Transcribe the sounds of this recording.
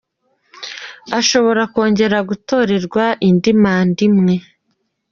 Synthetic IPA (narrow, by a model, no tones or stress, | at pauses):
aʃo̞βo̞ɾako̞ːɲɟe̞ɾaɡuto̞ːɾe̞ɾɡwaʔindimaːndimŋe̞